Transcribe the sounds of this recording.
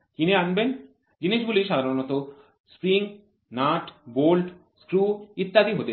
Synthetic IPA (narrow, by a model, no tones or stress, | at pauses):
kineanben | d͡ʑiniʃbuliʃad̪ʱaɾonɔt̪o | spɾiŋ | naʈbolʈ | skɾuit̪ːad̪iɦot̪e